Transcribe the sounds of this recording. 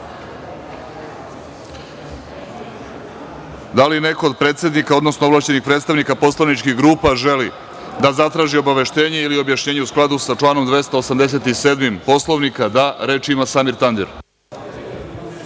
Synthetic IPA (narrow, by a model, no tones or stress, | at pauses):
d̪aline̞ko̞ːd̪̚pɾe̞ːt̪sed̪nikao̞d̪nosnoolaʃt͡ɕenixpɾet̪st̪aʋnikapo̞slaʋnit͡ʃkiɣɡɾuːpaʒe̞li | d̪azat̪ɾaːʒio̞baʋe̞ʃt̪e̞ːɲe̞ilio̞bjaʃɲe̞ːɲeusklˠad̪usat͡ʃlˠaːno̞md̪ʋe̞st̪aosamd̪es̬e̞t̪iseːd̪mimpo̞slˠoʋnikad̪aɾe̞ːt͡ʃiimasamiɾt̪and̪eɾ